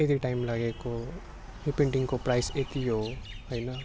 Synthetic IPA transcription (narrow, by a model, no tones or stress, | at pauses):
et̪iʈajmlaɡeko | ripeɳʈiŋkoprajset̪iɦoɦojnʌ